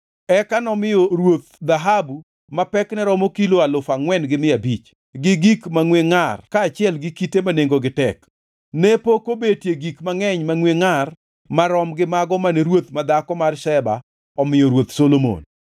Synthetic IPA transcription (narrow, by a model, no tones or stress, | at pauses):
ɛkanɔmɪjɔɾwot̪̚d̪aɦabu | mapɛknɛɾɔmokiloalʊfaŋwɛnɡɪmɪabit͡ʃ | ɡɪɡikmaŋweŋarkaːt͡ʃɪɛlɡɪkitemaneŋɡoɡɪtɛk | nepokobetjeɡikmaŋɛɲmaŋweŋar | maɾɔmɡɪmaɡɔmaneɾwot̪mad̪akɔmarʃɛba̰ | ɔmɪjɔɾwot̪solomo̰n